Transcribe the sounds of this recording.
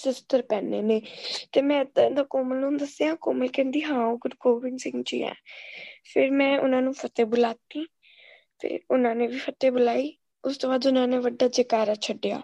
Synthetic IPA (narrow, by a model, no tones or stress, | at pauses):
sɪst̪əɾpɛːneːneːt̪eːmɛ̃ːt̪ːnd̪aːkoːməlnũːnd̪əseːãːkoːməlkɛ̃ːnd̪iːɦãːoːɡʊɖɡoːʋɪŋsɪ̃ŋɡt͡ʃḭːɛ̰ːpʰɪɾmɛ̃ːʔʊ̰nãːnũːpʰət̪eːbʊlaːt̪ːiː | t̪ḛːʊnãːneːʋiːpʰət̪eːbʊlaːiː | ʊst̪õːbaːd̪ʊnãːneːʋəɖːaːd͡ʒekaːɾaːt͡ʃʰəɖːeja̰ː